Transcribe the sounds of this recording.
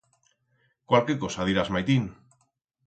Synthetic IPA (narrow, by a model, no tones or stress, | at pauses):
kwalkekosaðiɾazmajt̪in